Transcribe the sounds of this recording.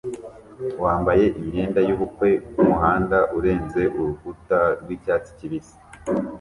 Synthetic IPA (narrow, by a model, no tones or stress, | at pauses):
waːmbaje̞ʔimɲe̞ːndajuːβukwe̞umuɦaːndaʔuɾe̞ːnze̞ʔuɾukutaɾɡwiːcaːt͡si̥ciβisi̥